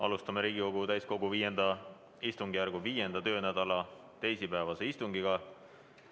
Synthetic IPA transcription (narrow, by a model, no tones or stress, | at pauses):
ʔɑ̰lust̪ɑmeɾiːɡ̥iko̞ɡ̥ut̪æjsko̞ɡuviːje̞nd̪̥ɑ | ist̪uŋɡ̥ijærɡ̥uviːjend̪ɑt̪ø̞ːnæd̪̥ɑlɑ | t̪e̞jsipæːvɑse̞ist̪uŋɡ̥iɡ̥ɑ